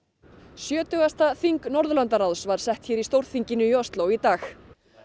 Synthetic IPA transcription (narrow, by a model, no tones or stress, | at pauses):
sjœːt̪ʏɣast̪aθiŋknɔɾðʏlant̪arawsvaɾ̥sɛht̪çɛːɾist̪owɾ̥θiɲcɪnʏiɔst̪lowit̪aːx